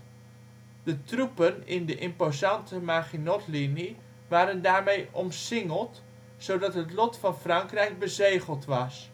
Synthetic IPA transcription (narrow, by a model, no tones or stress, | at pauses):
d̥ətrupənɪndəʔɪmpozɑntəmaːχinɔtlini | ʋaːɾəndaːɹmejɔmsɪŋəlˠt | sowdɑtɦətlɔtfɑnfrɑŋkrɛjk̚bəzejχəlˠtʋɑs